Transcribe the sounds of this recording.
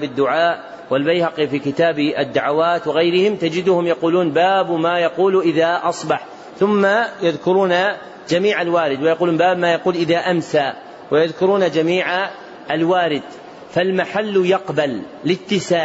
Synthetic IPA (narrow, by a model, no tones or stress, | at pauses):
bad̪ːʊʕaːʔ | wɪlbajhɑqifiːkɪt̪aːbad̪ːaʕawaːt̪wɪɣajɾɪhɪmt̪ad͡ʒɪd̪ʊhʊmjɑquːluːnbaːbmaːjɑquːlʔɪðaːʔɑsˤbɑħ | θʊmːajaðkʊɾuːna | d͡ʒamiːʕalwaːɾɪd̪wajɑquːluːnbaːbmaːjɑquːlʔɪðaːʔamsaː | wajaðkʊɾuːnad͡ʒamiːʕa | ʔalwaːɾɪd̪ | falmaħalːjɑqbalː | ɪt̪ːɪsaː